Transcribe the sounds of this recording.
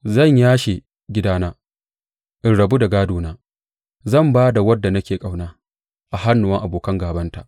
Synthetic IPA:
zɐ˦˨ɲjaː˦ʃe˨ | ɡʲɪ˦daː˦naː˦ | ʔɪ˨nɽɐ˨bu˦da˨ɡaː˦doː˨naː˦ | zɐ˦˨mbaː˦da˨wɐ˦dːa˨nɐ˦kʲeː˨kʼa˨wnaː˦ | ʔa˨ha˦nːʊ˨ɐ˦ŋʔa˨boː˨kɐ˦ŋɡaː˨bɐ˦nta˨ʔ

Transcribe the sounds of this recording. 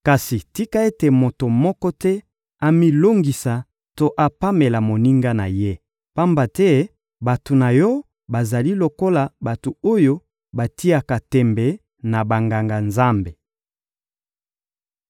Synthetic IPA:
ka˨si˨ti˦ka˦e˦te˨mo˨to˨mɔ˦kɔ˦tɛ˦ | a˦mi˦lo˦ŋɡi˨sa˨ | to˦ʔa˦pa˦me˨la˨mo˨ni˦ŋɡa˦na̰˨je˦ | pa˦mba˨tɛ˦ | ba˨to˨na˨jɔ˦ | ba˨za˨li˦lo˨ko˦la˨ba˨to˨o˦jo˦ | ba˨ti˦a˨ka˨tɛ˨mbɛ˨ | na˨ba˨ŋɡa˨ŋɡa˨nza˦mbe˨

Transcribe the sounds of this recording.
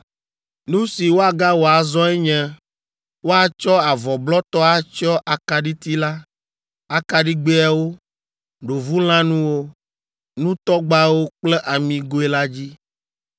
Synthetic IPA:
nũ˦si˨wo˦a˨ɡa˦wo˨a˨zɔ˦ɛ˦ɲɛ̃˦ | wo˦a˨t͡ʃɔ˦a˨vɔ˨blɔ˦t̪ɔ˦a˦t͡ʃɔ˦ʔa˨ka˨ɖi˦t̪i˦la˦ | a˨ka˨ɖi˦ɡ͡be˦a˨wo˦ | ɖo˨vu˦l̃ã˦nũ˦wo˦ | nũ˦t̪ɔ˦ɡ͡ba˦wo˦k͡plɛ˦ʔa˨mĩ˨ɡo˦e˦la˦d͡ʑi˦

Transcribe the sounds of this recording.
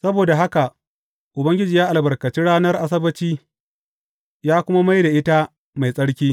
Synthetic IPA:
sɐ˦boː˨da˨ɦa˦ka˨ | ʔʊ˨bɐ˦ŋɡʲɪ˦d͡ʒiː˨jaː˦ʔa˨lbɐ˨rkɐ˨t͡ʃi˦ɽaː˦nɐ˦rʔa˦s̬ɐ˦bɐ˦t͡ʃiː˦ | jaː˦kʷʊ˦ma˦ma˦jda˨ʔɪ˦ta˦ | ma˨jsʼɐ˦ɽkʲiː˦

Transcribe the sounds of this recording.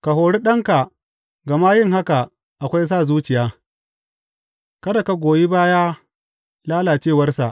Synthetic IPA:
ka˨ɦoː˨ɽi˦ɗɐ˦ŋka˨ | ɡa˨ma˦jɪ˦ŋɦa˦ka˨ | ʔa˨kʷa˦js̬aː˦˨zuː˦t͡ʃɪ˨jaː˦ | kɐ˦da˨ka˦ɡʷoː˨ji˦baː˦jaː˦ | laː˦laː˨t͡ʃeː˦˨wɐ˦rsa˨ʔ

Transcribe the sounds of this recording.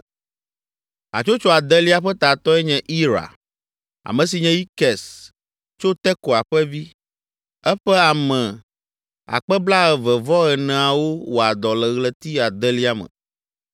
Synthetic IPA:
a̰˨t͡ʃo˦t͡ʃɔ˦a˨d̪ɛ˦li˦a˨ɸɛ˦t̪a˨t̪ɔ˦ɛ˦ɲɛ̃˦ʔi˦ɾa̰˨ | a̰˨mɛ̃˨s̬i˨ɲɛ̃˦ji˦kɛ˨s | t͡ʃo˦t̪ɛ˦ko˨a˨ɸɛ˦vi˦ | ɛ˦ɸɛ˦a˨mɛ̃˨ | a̰˨k͡pɛ˦bla˦ɣɛ˨vɛ˨vɔ˦ɛ˨nɛ̃˨a˨wo˦wo˨a˨d̪ɔ˨lɛ˨ɣlɛ˨t̪i˦a˨d̪ɛ˦li˦a˦mə̰̃˨

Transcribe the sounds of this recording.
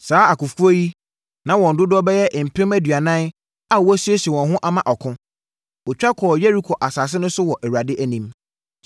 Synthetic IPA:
saː˨˦a˨kʊ˨fu˦o˦ji˦ | nã˨wɔ̃˨n̩˨dʊ˦dɔ˦bɛ˦jɛ˦ʔm̩˨pʰɪ̃˦mæ˦dɥa˨nã˦n | a˦˨wsu˦e˦si˨ɛ˨wɔ̃˨nɦʊ̃˦ʔa˨mã˨ʔɔ˨kʰʊ̃˦ | ɔ˨t͡ɕᶣa˦kʰɔ˨jɛ˦ɾi˦kʰɔ˨ʔa˨saː˨s̬ɪ˦nʊ̃˦sʊ˦wɔ˨ʔɛ˨wa˨dɪ˦ʔæ˦nĩ˦m

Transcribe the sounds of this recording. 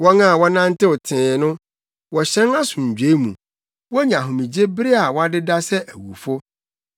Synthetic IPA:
wɔ˦ŋã˦˨wɔ˦nã˦n˦tɪ˦ʊ˨tʰɪ̃ː˨nʊ̃˦ | wɔ˨ɕɛ̃˦na˦sũ˨ɲ̩˨d͡ʑᶣe˨˦mṵ̃˨ | wɔ˦ɲã˨ɦʊ̃˨mĩ˨d͡ʑe˦bɪ˦ɾɪ˦a˨wɔ˦a˦dɪ˦da˦sɛ˦ʔæ˨wu˨fʊ˦

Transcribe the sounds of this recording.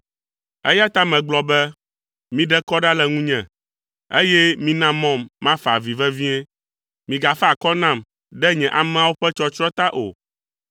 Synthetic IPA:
ɛ̰˦ja˦t̪a˦mɛ̃˨ɡ͡blɔ˨bɛ˦ | mĩ˦ɖɛ˦kɔ˦ɖa˦lɛ˨ŋũ˦ɲɛ̃˨ | e˦jɛ˦mĩ˦nã˦mɔ̃˦mːã˦fa̰˨vi˨vɛ˦vi˦ɛ̃˦ | mĩ˨ɡa˨fɛ˦a˨kɔ˦nã˦˨m | ɖɛ˦ɲɛ̃˨ʔa˨mɛ̃˦a˦wo˦ɸɛ˦t͡ʃɔ˦t͡ʃɾɔ˦t̪a˦ʔo̰˨

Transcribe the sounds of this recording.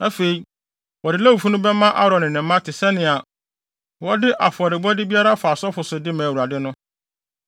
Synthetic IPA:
æ˦fe˨i˨ | wɔ˨dɪ˨˦lɛ˦wu˨fu˦nʊ̃˦bɛ˦mã˦ʔa˦ɾɔ̃˨nɪ̃˨nɪ̃˨m̩˦mã˦tʰɪ˨sɛ˦nɪ̃˨a˨ | wɔ˦dɪ˦ʔa˨fʊ˨ɔ˨ɾɪ˨bɔ˦dɪ˦bi˦a˦ɾa˦faː˨sɔ˦fʊ˨sʊ˨dɪ˦mã˨u˨a˨dɪ˦nʊ̃˦

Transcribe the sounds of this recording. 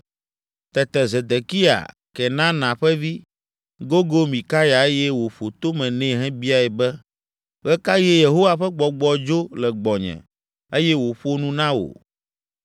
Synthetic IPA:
t̪ɛ˨t̪ɛ˨ze˨d̪e˨ki˦a̰˨ | kɛ˨nã˦nã˨ɸɛ˦vi˦ | ɡo˦ɡo˦mĩ˨ka˦ja˨e˦jɛ˦wo˨ɸo˨t̪o˦mɛ̃˨nɛ̃˦˨ɦɛ̃˦bi˦a˨ɛ˨bɛ˦ | ɣɛ˦ka˦jɛ˦je˨ɦo˦wa˨ɸɛ˦ɡ͡bɔ˨ɡ͡bɔ˨d͡ʒo˦lɛ˨ɡ͡bɔ˨ɲɛ̰̃˨ | e˦jɛ˦wo˨ɸo˦nũ˦nã˦wo̰˨

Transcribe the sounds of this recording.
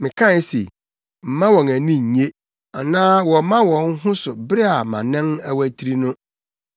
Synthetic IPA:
mɪ̃˨kʰã˦sḛ˨ | m̩˨mã˦wɔ̃˨ŋæ˨nĩ˦ɲ̩˨ɲe˦ | a˨nãː˦wɔ̃˨˦mã˦wɔ̃˨ŋ˦ɦʊ̃˦sʊ˨bɾɛ˦a˨mã˨nɛ̃˦ŋæ˦wæ˦tʰi˦ɾi˦nʊ̃˦

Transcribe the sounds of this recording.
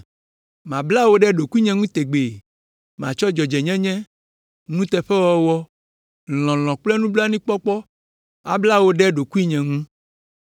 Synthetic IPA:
mã˨bla˦wo˦ɖɛ˦ɖo˨ku˦i˦ɲɛ̃˨ŋũ˦t̪e˨ɡ͡be˨ | mã˨t͡ʃɔ˦d͡ʒɔ˨d͡ʒɛ˨ɲɛ̃˦ɲɛ̃˦ | nũ˦t̪ɛ˨ɸɛ˦wɔ˦wɔ˦ | lɔ̃˨l̃ɔ̃˨k͡plɛ˦nũ˦bla˦nĩ˦k͡pɔ˦k͡pɔ˦ | a̰˨bla˦wo˦ɖɛ˦ɖo˨ku˦i˦ɲɛ̃˨ŋũ˦

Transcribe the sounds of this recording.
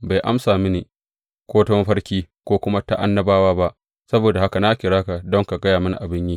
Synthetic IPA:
ba˨jʔa˦msaː˨mɪ˦neː˨ | kʷoː˦tɔ˦m˦ɸɐ˦ɽkʲiː˦kʷoː˦kʷʊ˦ma˦ta˦ʔa̰˦nːɐ˦baː˦waː˦ba˦ʔ | sɐ˦boː˨da˨ha˦ka˨na˦kʲɪ˨ɽaː˦ka˨dɔ˦ŋka˨ɡɐ˦jaː˨mʊ˦n˨ʔa˨bɪ˦ɲjiː˦

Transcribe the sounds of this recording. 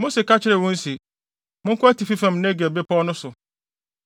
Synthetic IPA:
mo˦se˨kʰa˦t͡ɕʰɪ˦ɾɪ˨wʊ̃˦n̩˦si˨ | mʊ̃˦ŋ̩˦kʰʊ˦æ˦tʰi˨fi˦fã˨m˨nɛ̃˦ɡɛ˨be˦pʰɔ˦nʊ̃˦sʊ˨

